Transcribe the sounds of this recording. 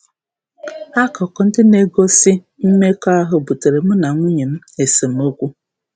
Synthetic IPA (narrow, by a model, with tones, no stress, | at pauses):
a˦kɔ˨kɔ˨n̩˦dɪ˦ne˦ɡo˦sɪ˦ | m̩˦me˦kɔ˦a˦ɦʊ˦bu˨te˨ɾe˨m̩˦na˨ŋʷu˦ɲe˨m̩˦e˨se˨mo˦kʷu˦